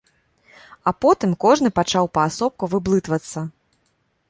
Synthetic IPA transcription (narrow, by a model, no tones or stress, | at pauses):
ɐpɔt̪ɨmkɔʐnɨpat͡ʂawpɐːsɔp̚kuvɨblˠɨt̪vɐt̪sːɐ